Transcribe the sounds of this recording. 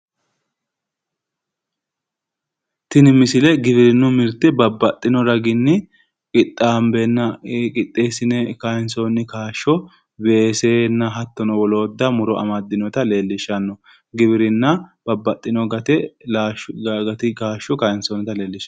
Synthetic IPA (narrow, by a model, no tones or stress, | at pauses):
t̪ɪnɪmːɪsɪlɛɡɪβɪɾɪnːʊmɪɾt̪ɛbɐbːɐt̪ʼːɪnɔɾɐɡɪnːɪ | kʼɪt̪ʼːaːmbɛnːɐkʼɪt̪ʼːeːsɪnɛkajnsonːɪkaːʃɔ | be̞ːseːnːɐɦɐt̪ːɔnɔwɔlo̞ːd̪ːɐmʊɾɔʔɐ̰mɐd̪ːɪnɔt̪ɐle̞ːlːɪʃɐnːɔ | ɡɪbɪɾɪnːɐb̥ɐbːɐt̪ʼːɪnɔɡɐt̪ɛ | ɡɐt̪ɪkaːʃːɔkajnsonɛt̪ɐleːlːɪʃɐ